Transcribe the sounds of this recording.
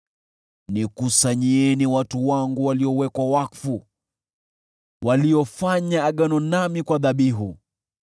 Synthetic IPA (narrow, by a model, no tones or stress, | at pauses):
nikusaɲiɛniwatuwaŋɡuwaliɔwɛkwawakfu | wʔaliɔfaɲaːɠanɔnamikwaðaɓiɦu